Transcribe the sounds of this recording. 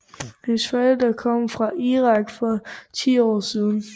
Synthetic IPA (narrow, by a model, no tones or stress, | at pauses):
hensfæd̥ɑkʰɒ̽m̰fʁɑ̈ʔiːʁɑ̈ɡ̥fɒ̽t͡sʰḭːɒ̰ːsiːð̞ˠn̩